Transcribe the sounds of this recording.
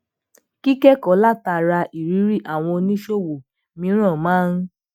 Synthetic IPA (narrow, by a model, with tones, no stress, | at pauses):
ki˦kɛ˦kɔ˨˦la˦˨ta˧˨ɾa˧ʔi˨ɾi˨˦ɾi˦˨ʔa˨w̃ɔ̃˧nĩ˦ʃo˦˨wo˨ | mĩ˧˦ɾ̃ã˦˨mãː˦n̩˦